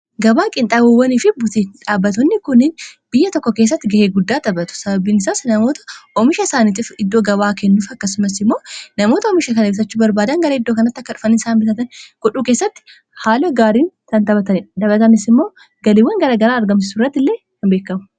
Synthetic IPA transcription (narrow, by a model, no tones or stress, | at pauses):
ɡɐbaːkʼɪnt̪ʼabʊwːɐniːfɪbʊt̪iᶑaːbːɐt̪ɔnːɪkʊnːɪnb̥ɪjːɐt̪ɔkːɔkeːs̬ːɐt̪ːɪɡɐheːɡʊd̪ːaːt̪ɐbɐt̪ʊ̥sɐbɐbiːnɪsaːsnɐmo̞ːt̪ɐ̥ʔɔmɪʃɐɪsaːniːt̪̬ɪfɪd̪ːoːɡɐbaːkɛnːuːfɐkːɐsʊmɐsɪmːo̞ːnɐmo̞ːt̪ɐɔmɪʃɐkɐnɛbs̬ɐt͡ʃːʊbɐɾbaːd̪ɐŋɡɐɾɐɪd̪ːo̞ːkɐnɐt̪ːɐkːɐᶑʊ̥fɐnɪnsaːnbɪt̪ɐt̪ɐnɡ̥ɔᶑuːkeːsːɐt̪ːɪ̥ | haːlɐɡaːɾiːnt̪ɐnt̪ɐbɐt̪ɐnɪᶑd̪ɐbɐt̪ɐnɪsɪmːo̞ː | ɡɐlɪwːɐŋɡɐɾaːɡɐɾaːɐɾɡɐmsɪsʊrːɐt̪ːɪlːeː | kɐnbe̞ːkːɐmʊ̥